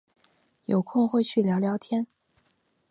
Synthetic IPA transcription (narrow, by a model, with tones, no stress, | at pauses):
jo˨˩ʊkʰʊ˥˧ŋxwe˥˧ɪt͡ɕʰy˥˩ljɑ˧˥ʊljɑ˧˥ʊt̪ʰjɛ˥n